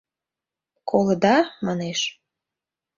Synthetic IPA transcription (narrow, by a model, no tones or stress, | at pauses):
kʰoləd̪ɑmɑneʃ